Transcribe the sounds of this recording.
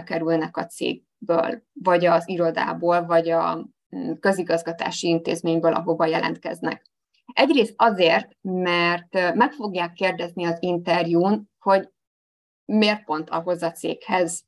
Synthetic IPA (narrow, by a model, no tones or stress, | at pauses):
kɛɾylnɛkɒt̪sḛːɡ̚ | bø̰ːlvɒɟɒziɾo̞d̪a̰ːboːlvɒɟɒ | kø̞ziɡɒzɡɒt̪a̰ːʃiint̪ḛːzmeːɲbøːlʔɒ̰ɦo̞bɒjɛlʔɛ̰nt̪̚kɛ̰znɛ̰k | ɛɟreːst̪ɒzeːrt̪mɛrt̪mɛkfo̞ɡjaːkːeːrd̪ɛzniɒzint̪ɛrjuːn | ho̞ɟ | meːrt̪̚po̞nt̪ʰɒ̰ɦo̞zɒt̪sḛːkhɛz